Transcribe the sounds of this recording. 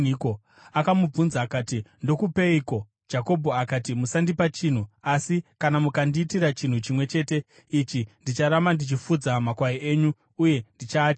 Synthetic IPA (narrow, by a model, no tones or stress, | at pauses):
ko | akamub͡vunzaːkaːtindo̞kupe̞iko̞ | d͡ʒako̞bʱo̞akatimusandipat͡ʃin̤uasikanamukandiːtiɾat͡ʃin̤ut͡ʃimwe̞t͡ʃe̞ːte̞ | it͡ʃindit͡ʃaɾamandit͡ʃifud͡zamakwaiʔeːɲuː | je̞ndit͡ʃaːt͡ʃ